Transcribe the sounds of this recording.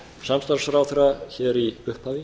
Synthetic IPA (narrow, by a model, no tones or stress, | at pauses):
samst̪aɾsfɾawθɛɾaçɛɾiʏhphaːvɪ